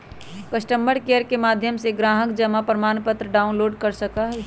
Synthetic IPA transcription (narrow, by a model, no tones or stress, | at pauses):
kəsʈəmbəɽkejəɾkemaːd̪ʱjəmseɡɾaːɦəkd͡ʒəmapɾəmaːnpət̪ɾəɖaːʊnloːɖkəɾsəkaɦ